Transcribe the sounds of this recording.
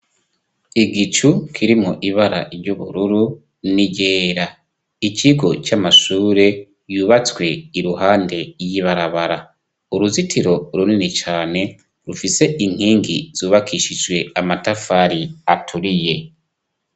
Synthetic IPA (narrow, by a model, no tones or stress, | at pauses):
iɡit͡ʃukʰiɾimoʔiβaɾa̰ʔiɾɟuβuɾuɾu | niɟeːɾa | iciɡo̞t͡ʃamaʃuːɾe̞ | juːβat͡swe̞iɾuɦaːnde̞jiβaɾaβaɾa | uɾuzitʰiɾo̞ɾuninit͡ʃaːne̞ | ɾufise̞ʔiŋ̥hiːŋɡiz̥uːβakʰiʃid͡ʒwe̞amatafaːɾiatʰuɾije̞